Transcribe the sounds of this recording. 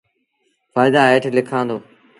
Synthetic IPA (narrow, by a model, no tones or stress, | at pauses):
faːɪd̪aːeːʈʰlɪkʰãːnd̪oː